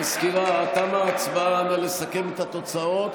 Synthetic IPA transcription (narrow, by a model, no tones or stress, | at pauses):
askiʁaːt̪amaːt͡svaanalesake̞met̪hat̪o̞t͡sao̞t̪